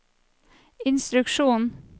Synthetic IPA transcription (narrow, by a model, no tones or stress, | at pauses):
ɪnst̪ɾʉkʃuːn